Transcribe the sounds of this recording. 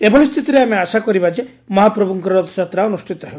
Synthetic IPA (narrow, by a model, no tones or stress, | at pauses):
ebɔɭist̪ʰit̪iɾeameasakɔɾibad͡ʒe | mɔɦapɾɔbuŋkɔɾɔd̪ɔd͡ʒat̪ɾaɔnusʈʰit̪ɔɦe